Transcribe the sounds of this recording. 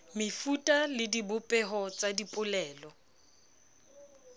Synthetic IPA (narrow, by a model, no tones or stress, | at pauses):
mɪfutʼalɪdibʊpʼɛɦɔt͡sʼadipʼʊlɛːlɔ